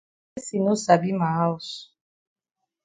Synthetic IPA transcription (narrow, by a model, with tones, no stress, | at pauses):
si˨nu˦sa˨bi˦ma˨a˦u˨s